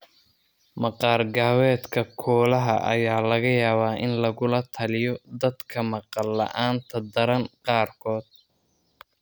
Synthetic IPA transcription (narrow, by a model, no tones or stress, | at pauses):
mɑqɑːrɡaːwɛːd̪kʰɐkʰɔːlɐɦɐ̰ʔɐ̰jaːlɐɣɐjaːβaːʔɪnlɐɣʊlɐt̪ʰɐlɪjɔd̪ɐd̪kʰɐmɑqɑlːɐ̰ʔaːnt̪ʰɐd̪ɐɾɐnqɑːrkʰɔːd̪̥̚